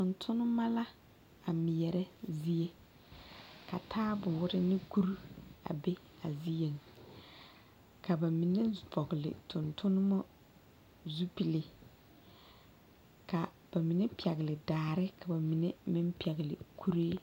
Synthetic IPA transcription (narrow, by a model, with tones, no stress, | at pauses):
tʊ˨ntʰʊ˦nʊ˦ma˦la˦ | a˨mɪ˨jɛ˨ɾɛ˦zi˦je˦ | ka˨tʰaː˦bʊ˨ʊ˦ɾɪ˦nɪ˦ku˦ɾu˦a̰˨be˦ | a˨zi˦je˨ŋ | ka˨ba˨mi˨ne˦bɔ˨ɣɪ˨lɪ̰˨tʊ˨ntʊ˦nʊ˦mɔ˦ | zu˦pi˨lɪ˨ | ka˨ | b̥a˨mi˨ne˦pi˨ɛ˨ɣɪ˨lɪ˨daː˨ɾɪ˦ka˨ba˨mi˨ne˦mɪ˦m˦pi˨ɛ˨ɣɪ˨lɪ̰˨kʰu˦ɾeː˦